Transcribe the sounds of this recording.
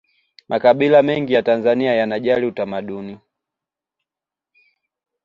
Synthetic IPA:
mʔakaɓilamɛŋɡijatanzaniajanaʄaliutamaɗuni

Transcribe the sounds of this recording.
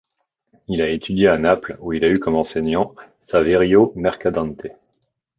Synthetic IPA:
ilaet̪ʰyd̪jeanapluilaykɔmɑ̃sɛɲɑ̃ | saveʁjomɛʁkad̪ɑ̃nt̪ʰe

